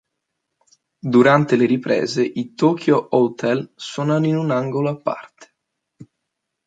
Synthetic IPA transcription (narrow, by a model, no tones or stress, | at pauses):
d̪uɾant̪eleɾipɾɛ̰ːzeʔit̪ɔkjoʔowt̪ʰɛlswɔnaninunaŋɡoloapːa̰rt̪ʰe̥